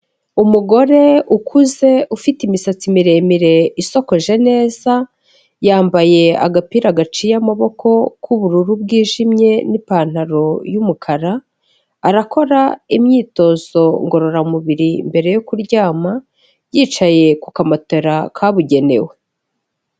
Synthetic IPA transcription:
umuɡo̞ɾe̞ukʰuze̞ufitimisat͡simiɾe̞ːmiɾe̞iso̞ko̞ʒe̞ne̞ːza | jaːmbaje̞a̰ɡapiːɾaɡat͡ʃijamaβo̞kʰo̞kʰuβuɾuɾubɡiːʒimɲe̞nipan̥aɾo̞jumukʰaɾaː | ɾako̞ɾaimɲiːto̞z̥o̞ŋɡo̞ɾo̞ɾamuβiɾimbe̞ɾe̞jokuɾɟaːma | jiːt͡ʃaje̞kukamato̞ɾakʰaβuɟe̞ne̞̰we̞

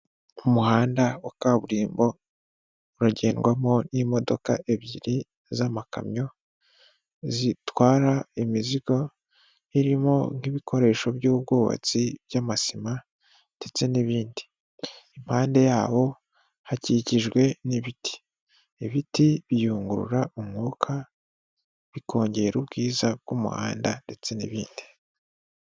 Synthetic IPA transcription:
umuhaːndaokaβuɾiːmbo̞ | uɾaɟe̞ːnɡwamo̞nimo̞do̞ka̰ʔe̞βɟiɾi | zamaka̰mɲo̞ | zitwaːɾaimiziɡo̞ | iɾimo̞ŋ̥hiβikʰo̞ɾe̞ːʃo̞βjuːβ̚ɡoːβa̰t͡siβjaːmasima | nd̥e̞t͡se̞niβiːndi̥ | imhaːnde̞jaːwo̞ | haciciʒɡwe̞niβiti̥ | iβitiβijuːŋɡuɾṵɾaʔumŋuːkʰa | βikʰo̞ːɲɟe̞ːɾubɡiːzab̚ɡ̥umṵha̰ːndande̞t͡se̞nḭβiːndi̥

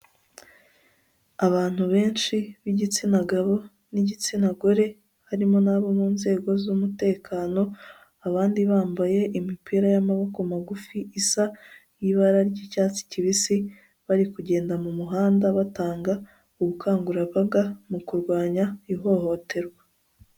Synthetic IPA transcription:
aβaːn̥huβe̞ːnʃiβiɟit͡sinaɡaβo̞ | niɟit͡sinaɡoɾe̞ | haɾimo̞naβo̞muːnze̞ːɡo̞zumute̞ːkʰaːno̞ | aβaːndiβaːmbaje̞ʔimipʰiːɾajamaβokomaɡufiʔisa | jiβaɾaɾɟicaːt͡si̥ciβisi | βaɾikuɟe̞ːndamumuɦaːndaβataːŋɡa | uɡukʰaːŋɡuɾaβaɡamukuɾɡwaːɲaiɦo̞ho̞ːtʰe̞ɾɡwa

